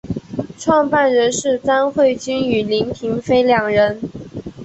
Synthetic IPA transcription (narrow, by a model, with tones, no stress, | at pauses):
ʈ͡ʂʰwɑ˥˧ŋpa˥˩nɻə˧˥nʂɻ̩˥˩t͡sa˥nxwe˥˩ɪt͡ɕy˥ny˨˩li˧˥ŋt̪ʰi˧˥ŋfe˥ɪljɑ˨˩ŋɻə˧˥n